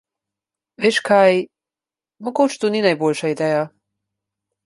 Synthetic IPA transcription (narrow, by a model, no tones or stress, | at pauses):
ʋeːʃkʰaj | moɡoːt͡ʃt̪uninajbolʲʃaid̪ɛːja